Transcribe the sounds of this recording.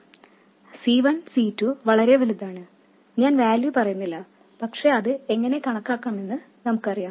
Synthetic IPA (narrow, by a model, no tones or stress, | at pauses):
siːʋɐnsiːtːuʋɐɭɐɾe̞ʋɐlud̪ːaːɳɨ | ɲaːnʋaːljupɐrɐjunːilːɐ | pɐkʂe̞ɐðɨe̞ŋːɐne̞kɐɳɐkːaːkːaːme̞nːɨ | nɐmukːɨɐrijaː